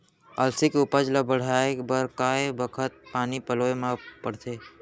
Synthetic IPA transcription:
əlsɪkʊpəd͡ʒləbəɽ̤aːekbəɾkaːebəkʰət̪̚paːnipəloːemãpəɽ̤t̪ʰeː

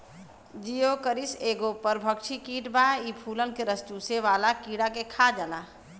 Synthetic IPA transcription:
d͡ʒijoːkəɾɪseːɡopəɾbʱəkʃʰikiːʈbaiːpʰuːlənkeɾəst͡ʃuːseʋaːlakiːɽakekʰad͡ʒalaː

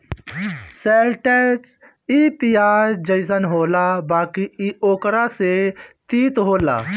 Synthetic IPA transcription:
seːlʈeːt͡ʃ | iːpijaːɾd͡ʒəɪzənɦoːlabaːkiioːkɾaset̪iːt̪ɦoːla̰ː

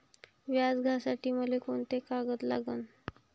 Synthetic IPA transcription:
ʋjad͡zɡʱasaʈiːməlekoɳt̪ekaɡət̪la̰ɡən

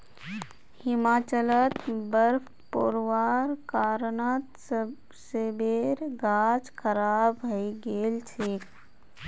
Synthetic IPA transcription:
hɪmaːt͡ʃələt̪bəɾpʰ | po̰ɾwaːɾkaːɾnət̪ | sebeɾɡaːd͡ʒkʰəɾaːbəiɡeːlt͡ʃʰeːk

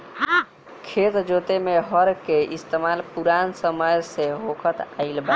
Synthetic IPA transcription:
kʰet̪d͡ʒot̪emeɦəɾkeʔist̪emalpuɾansəməjseɦokʰət̪ailba

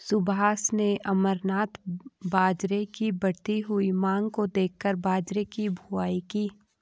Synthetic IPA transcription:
sʊbaːsneʔɐməɾnaːt̪baːd͡ʒɾekibɐɽt̪iɦʊimãːŋɡkod̪eːkʰːəɾbaːd͡ʒɾekibʱʊaːikiː

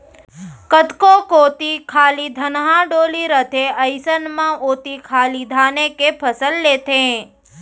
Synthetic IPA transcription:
kət̪kokot̪ikʰaːlid̪ʱənɦãɖoːliɾət̪ʰeəjsənmãoːt̪ikʰalid̪ʱanekepʰəsəlːet̪ʰẽ

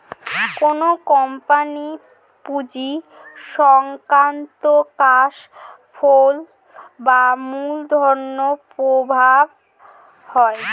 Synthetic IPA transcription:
konokɔmpani | pud͡ʑiʃɔŋkɾant̪okaʃ | fʰol | bamuld̪ʱɔɾnopɾobʱab̚ | hɔe

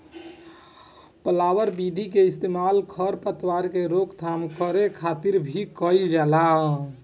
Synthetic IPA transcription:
pəlawəɾbid̪ʱik̬eɪst̪emalkʰəɾpət̪waɾkeɾokt̪ʰamkəɾekʰat̪iɾbʱikəɪld͡ʒala

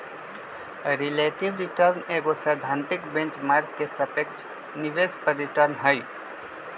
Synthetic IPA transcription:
ɾileʈiʋɾiʈəɾneɡosəd̪ʱãnt̪ɪkbẽnt͡ʃmaːɾkːesəpek̚t͡ʃʰ | niʋespəɾːiʈəɾnɦəj

